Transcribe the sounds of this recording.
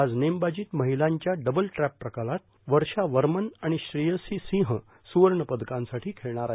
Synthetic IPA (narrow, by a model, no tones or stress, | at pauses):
ad͡znembad͡ʑiːt̪məɦilaɲt͡ɕjaɖəbəlʈɾæpːɾəkalat̪̚ | ʋəɾɕaʋəɾmənaɽ̃iɕɾijəsisĩɦə | suʋəɾɳəpəd̪kãnsaʈʰiːkʰeɭɳ̃aɾa